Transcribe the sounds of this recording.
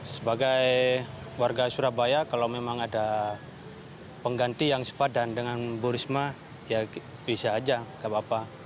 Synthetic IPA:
səbaɡajwarɡasuɾabajakalawmemaŋada | pəŋɡant̪ijaŋsə̥padandəŋanbuɾisma | ja | bisaːd͡ʒakabapa

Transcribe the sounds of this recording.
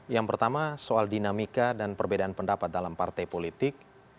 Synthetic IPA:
jaŋpərt̪amasoaldinamikadanpərbedaːnpəndapat̪̚dalampart̪ajpolit̪ɪk̚

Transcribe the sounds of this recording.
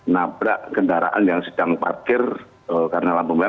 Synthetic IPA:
nabɾa̰ʔʔkəndaɾa̰ʔa̰njaŋsədaŋpa̰rkɪr | əkaɾənalambumia

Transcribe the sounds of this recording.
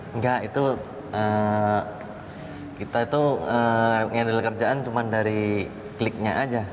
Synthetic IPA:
ŋɡaʔit̪u | ə | kit̪ait̪uəŋadilkərd͡ʒaʔant͡ʃumandaɾi | klɪk̚ɲaʔad͡ʒa

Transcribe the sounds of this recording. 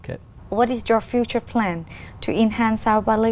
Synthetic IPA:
kʰḛ | wɔɾɪsjɔfjut͡ʃə˞pʰlæ̃ntʰuɪ̃nhæ̃nsaəbalɪ

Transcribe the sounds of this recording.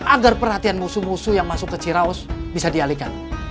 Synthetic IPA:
ʔaɡarpərhat̪ianmusumusujaŋmasʊkːət͡ʃiɾaʊsbisadialikan

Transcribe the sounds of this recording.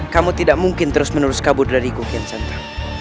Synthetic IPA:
kamut̪idaʔmuŋkɪnt̪əɾʊsmənuɾʊskabʊrdaɾikukiansant̪a

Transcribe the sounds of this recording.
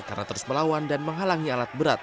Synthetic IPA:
ka̰rnat̪əɾusməlawandanməŋɦalaŋialat̪̚bəɾat̪̚

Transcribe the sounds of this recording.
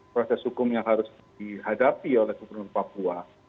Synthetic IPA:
pɾasɛshukʊmjaŋɦaɾʊs | dihadapiolɛhɡubərnʊrpapua

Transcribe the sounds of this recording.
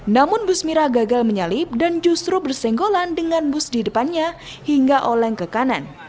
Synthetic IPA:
namʊnbʊsmiɾaɡaɡalməɲalɪp̚dand͡ʒust̪ɾubərsɛŋɡolandəŋanbʊsdidəpanɲa | hiŋɡaʔolɛŋkəkanan

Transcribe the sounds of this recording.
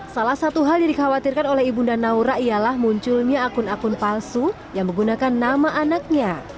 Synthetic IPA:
salahsat̪uɦaljadikawat̪irkanolɛhibundanauɾaijalahmuɲt͡ʃʊlɲaːkʊnakʊnpalsu | jaŋmə̃ɡunakanːamaʔanak̚ɲa

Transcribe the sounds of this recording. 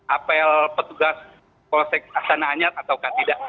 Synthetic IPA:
apalpət̪uɡas | kɔlosɛjk̚asanaːɲat̪̚at̪awkat̪idaʔ

